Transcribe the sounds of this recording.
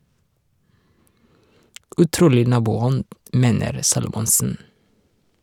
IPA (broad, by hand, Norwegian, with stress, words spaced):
ʉˈtɾuːlɪ ˈnɑːbuːˌɔnd ˈmeːnəɾ ˈsɑːlʊmɔnsn̩